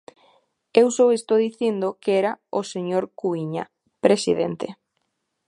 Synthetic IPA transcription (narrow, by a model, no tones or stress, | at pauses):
ewsowest̪oðiθind̪okeɛɾaoseɲoɾkuiɲa | pɾesḭð̞ḛnt̪ḛ